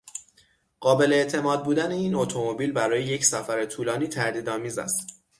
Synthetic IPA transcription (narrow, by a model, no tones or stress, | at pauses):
ɢ̥ɒːbe̞leːʔt̪ʰe̞mɒːd̪̚buːd̪æne̞iːno̞t̪ʰo̞mo̞biːlbæɾɒːjejecsæfæɾet̪ʰuːlɒːniːt̪ʰæɾd̪iːd̪ɒːmiːzæ̰st̪